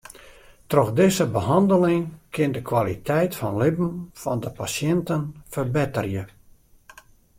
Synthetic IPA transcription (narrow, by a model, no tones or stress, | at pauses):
trɔxdɪzəbəɦɑndəlɪŋkʰɪndəkwalitʰɛjtfɔnlɪbn̩fɔndəpasjɛntənfərbɪtərjə